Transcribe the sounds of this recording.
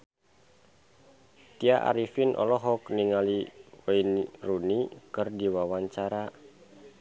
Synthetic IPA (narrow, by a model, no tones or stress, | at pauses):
t̪iaʔa̰ɾifinʔɔ̰lɔɦɔkniŋaliwɛinrunikɨrdiwawaɲt͡ʃaɾa